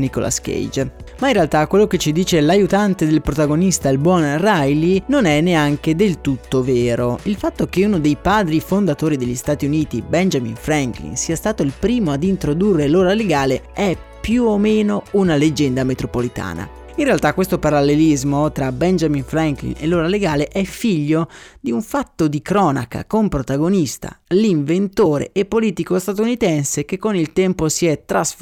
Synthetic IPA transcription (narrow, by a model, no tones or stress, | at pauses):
nikolʔa̰skḛjd͡ʒ | mainrealt̪akːwelːok̟et͡ʃːid̪iːt͡ʃelajut̪ant̪ed̪elpɾot̪aɡonist̪ailbwɔnrajlinonɛnːeaŋk̟ed̪elt̪ut̪ːoveːɾoilfat̪ːok̟eunod̪ejpaːd̪ɾifond̪at̪oːɾid̪elʎːist̪aːt̪iuniːt̪ibɛnd͡ʒamḭnfɾaŋklḭnsiːast̪aːt̪oilpɾiːmoad̪int̪ɾod̪urːeloːɾaleɡaːleɛ | pːjuomeːnounaled͡ʒɛnd̪amet̪ɾopolit̪a̰ːna̰ | inrealt̪akːwest̪opaɾalːelizmot̪ɾabɛnd͡ʒaminfɾaŋklḭnḛloːɾaleɡaːleʔɛfiʎːod̪iuɱfat̪ːod̪ikɾɔːna̰ka̰kompɾot̪aɡonist̪a̰liɱvent̪oːɾḛepːoliːt̪ikost̪at̪unit̪ɛnsek̟ekːonilt̪ɛmposiɛt̪ːɾas